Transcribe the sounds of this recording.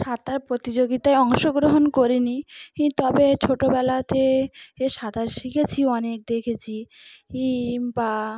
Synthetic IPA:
ʃat̪ʰaɾpɾot̪id͡ʑoɡit̪aeɔŋʃoɡɾoɦonkoɾinit̪ɔbet͡ɕʰoʈobɛlat̪eeʃat̪aɾʃikʰet͡ɕʰiɔnek̚d̪ekʰet͡ɕʰiimba

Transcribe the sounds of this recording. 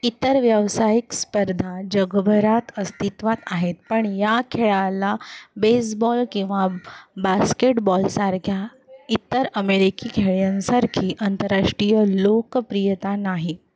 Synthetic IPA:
it̪əɾʋjəʋsajikspəɾd̪ʱad͡ʑəɡbʱəɾat̪əst̪it̪ʋat̪aɦet̪pəɳjakʰeɭalabes̬bɔlkĩw̃ʋabaskeʈbɔlsaɾkʰja | it̪əɾəmeɾikikʰeɭjãnsaɾkʰiːʔənt̪əɾaʂʈɾijəlokpɾijət̪anaɦi

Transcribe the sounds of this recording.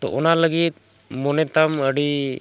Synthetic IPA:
t̪ɔ̰ʔɔnaləɡit̪̚ | mɔnɛt̪aməɖi

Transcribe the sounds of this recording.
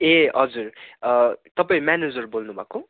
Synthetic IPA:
eʌd͡zur | t̪ʌpaĩmaned͡zʌrbolnubʱa̰ko

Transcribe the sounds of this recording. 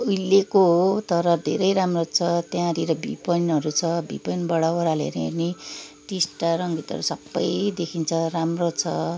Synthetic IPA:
ujlːekoɦot̪ʌɾʌd̪ʱḛɾʌjɾamrot͡sʰʌt̪jãɾiɾʌbʱḭpʌjnʌɾut͡sʰʌbḭpʌjnbʌɽawʌɾalḛɾierniʈisʈaɾʌŋɡʱit̪ʌ̰ɾusʌbːʌjd̪ekʰint͡sʰʌramrot͡sʰʌ

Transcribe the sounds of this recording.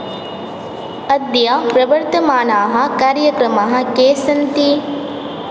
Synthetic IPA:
ɐd̪jaːpɾɐʋɐɾt̪ɐmaːnaːɦɐ̆kaːɾjɐkɾɐmaːɦɐ̆keːsɐnt̪i

